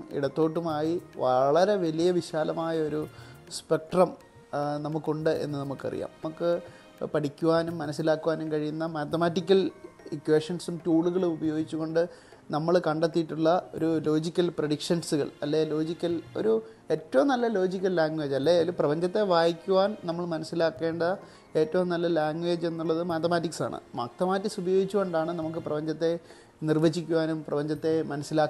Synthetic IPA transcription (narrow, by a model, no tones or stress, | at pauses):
mḭɽɐt̪ːo̞ːʈ̬ːumaːjiʋɐɭɐɾe̞ʋɐlijɐʋiɕaːlɐmaːjɐo̞ɾuspe̞k̚ʈrɐm | nɐmukːuɳɖɨʔe̞̰nːɨnɐmukːɨɐ̰rḭja̰ːmɐmukːɨ | pɐʈikʲːuʋaːnumːɐnɐsːilaːkːuʋaːnumkɐɻijunːɐmaːt̪ɐmaːtːikʲːɐlikwe̞ːʂɐnsumtuːɭuɣɐɭmubɐjo̞ːɡit͡ɕːuɣo̞ɳɖɨ | nɐmːɐɭkɐɳɖet̪ːijiʈːuɭːɐo̞̰ɾulo̞ːd͡ʑikʲːɐlprɐɽikʂɐnsuɣɐ̰ɭɐ̰lːelo̞ːd͡ʑikʲːɐlo̞̰ɾu | e̞ːtːɐʋɐmnɐlːɐlo̞ːd͡ʑikʲːɐlːaːŋɡwʋe̞ːd͡ʑɐlːeoɾuprɐbɐɲd͡ʑɐt̪ːe̞ʋaːjikʲːuʋaːnnɐmːɐɭmɐnɐsːilaːkːe̞ːɳɖɐ | e̞ːtːɐʋumnɐlːɐlaːŋɡwe̞ːd͡ʑe̞nːuɭːɐðɨmaːt̪ɐmaːt̬ːiksa̰ːɳɨ̰ma̰ːkt̪ɐmaːtːiksubɐjo̞ːɡit͡ɕːuɣo̞ɳɖaːɳɨnɐmukːɨprɐbɐɲd͡ʑɐt̪ːe̞ | nirʋɐd͡ʑːikʲːuʋaːnumprɐbɐɲd͡ʑɐt̪ːe̞mɐnɐsːilaːkː